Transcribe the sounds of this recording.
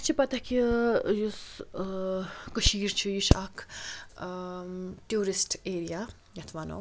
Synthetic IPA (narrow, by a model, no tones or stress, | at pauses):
t͡ʃʰipɐt̪akijus | kəʃiːɾt͡ʃʰujuʃakʰ | ʈjuːɾisʈeːɾija | jɐt̪ʰʋaːno̰ː